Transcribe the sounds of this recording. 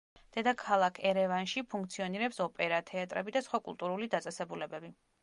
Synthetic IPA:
d̪̥ɛd̪akʰalˠakʰɛɾɛvanʃipʰuŋkt̪sʰiɔniɾɛpsɔpʼɛɾat̪ʰɛat̪ʼɾɛ̰bid̪asχwakʼṵlˠt̪ʼuɾulid̪at̪sʼɛsɛbulɛbɛbi

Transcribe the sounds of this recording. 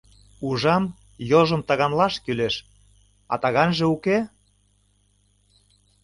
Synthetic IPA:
uʒɑm | joʒɤ̆mt̪ɑɣɑnlɑʃkyleʃ | ɑ̰t̪ɑɣɑnʒĕuke

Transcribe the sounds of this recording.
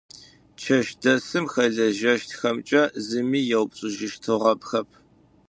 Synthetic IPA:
t͡ʃʰɐʃdɐsɨmxɐɮɐʒɐʃtʰxɐmt͡ʃʼɐzɨmiːjɛwpʼɕʼɨʒɪʃtʰɨʁɐp̚xɐp̚ʰ

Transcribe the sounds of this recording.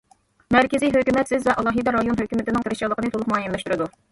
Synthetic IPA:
mæɾkʲɪziɦøkʲymɛt̪sɪzvɛʔɑlˠɑːɦɨd̪ɛɾɑjonɦøkʲymɪt̪ɪnɪŋt̪ɨɾɪʃɑlˠəqənɨt̪ʰolˠʊq̚mɑjimlɛʃt̪uɾɨd̪u

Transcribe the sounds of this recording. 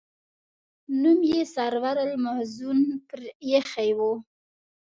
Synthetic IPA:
numjesaɾwaɾəlmazunpəɾjexajwu

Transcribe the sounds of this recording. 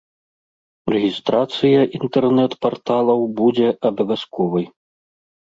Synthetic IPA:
rɛɣʲist̪ɾat̪sɨjɐʔint̪ɛrnɛt̪part̪alˠɐwbud͡zʲɛɐbɐvʲaskɔvɐj

